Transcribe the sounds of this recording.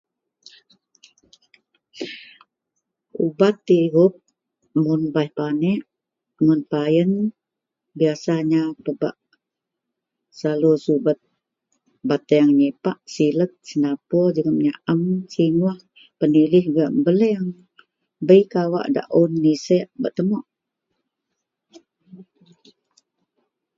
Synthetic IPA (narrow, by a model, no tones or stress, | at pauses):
ubat̪ːiɣup̚ | munbajhpanɛʔ | mʊnpajən | biasaɲapəba̰ʔ | salusubət̪̚ | bat̪əjaŋɲepaʔsilət̪̚sənapɔd͡ʒəɣəp̚ɲaʔəmsimuah | pənilɪhɡaʔmbələŋ | bəjkawa̰ʔda̰ʔunːisɛʔbaʔt̪əmɔʔ